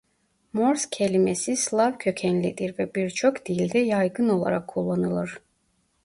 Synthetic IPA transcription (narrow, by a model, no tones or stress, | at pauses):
moɾscʰe̞lʲimesislˠavcʰø̞cʰɛnlʲid̪iɾvɛbiɾt͡ʃʰo̞kd̪̥ilʲd̪ɛjajɡɯno̞lˠa̰ɾakʰːulˠːanɯlˠɯɾ̥